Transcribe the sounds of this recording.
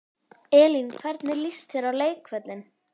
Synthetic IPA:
ɛːlinkʰvɛɾt̪nɪɾlist̪θjɛːɾawleːjkvɛt̪lɪn

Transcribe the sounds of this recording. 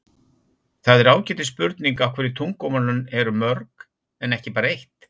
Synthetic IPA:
θaðɛɾaːwcɛːt̪ɪspʏɾt̪niŋkawkʰvɛːɾɪt̪ʰuŋkɔmalʏnɛɾʏmœɾk | ɛnɛhcɪpaːɾaejht̪

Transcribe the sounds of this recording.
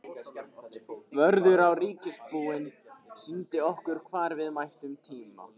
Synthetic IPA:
vœɾðʏɾawriːcɪspuːɪn | sʏnt̪ɪɔhkʏɾ̥kʰvaːɾvɪðmajht̪ʏmt̪ʰiːma̰

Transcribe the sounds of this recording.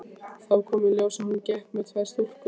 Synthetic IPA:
θawkʰɔːmɪljoːwsahuncɛhpmɛðt̪ʰvast̪ur̥kʏ

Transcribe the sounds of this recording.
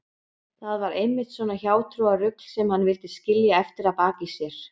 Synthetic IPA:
θaðvaɾejmːɪht̪svɔːnaçaːwt̪ʰɾuarʏkl̥sɛmhanːvɪlt̪ɪscɪljaɛft̪ɪɾapaːcɪsjɛɾ̥

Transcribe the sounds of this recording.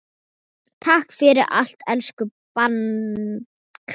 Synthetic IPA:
t̪ʰahkfɪɾɪɾʔa̰l̥t̪ɛlskʏpan | kʰ

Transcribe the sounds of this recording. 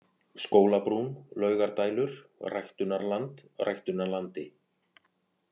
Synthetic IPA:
skoːwlapɾunlœːɥɣaɾt̪aːjlʏɾ̥rajxt̪ʏnːaɾlant̪ra̰jxt̪ʏnaɾlant̪ɪ

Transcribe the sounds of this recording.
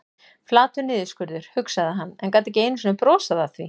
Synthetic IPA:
flaːt̪ʏɾnɪːðʏskʏɾðʏɾ̥hʏksaðaɦanːɛnkaːt̪ɪɛcɪeːjnʏsinʏmpɾɔːsaðaθvi

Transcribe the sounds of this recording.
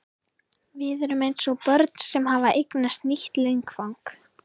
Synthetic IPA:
vɪðɛɾʏmejnsɔɣpœɾt̪̚n̥sɛmɦavaʔejknast̪niht̪leŋkfawŋk

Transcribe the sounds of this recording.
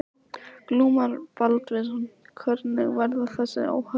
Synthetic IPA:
kluːmaɾpalt̪vɪsan | kʰvœɾt̪nɪɣvɛɾðaθɛsːɪ̰a̰wha

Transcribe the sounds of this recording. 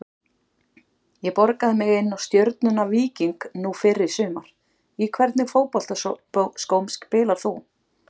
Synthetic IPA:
jɛpɔɾkaðɪmɪɣɪnːawst̪jœɾt̪nʏnaviːciŋknufɪɾːɪɾ̥sʏːmaɾ̥ | ikʰvɛɾt̪nɪfoːwpɔl̥t̪askowmskpɪːlaɾ̥θṵ

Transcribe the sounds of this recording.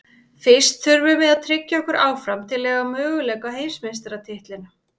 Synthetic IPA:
fɪst̪θʏɾvʏmɛðaðt̪ʰɾɪcːaɔhkʏɾʔaːwfɾamt̪ʰɪlːɛːvamœːɣʏlɛkaɦeːjmsmɪns̬t̪aɾat̪ʰɪht̪lɪna

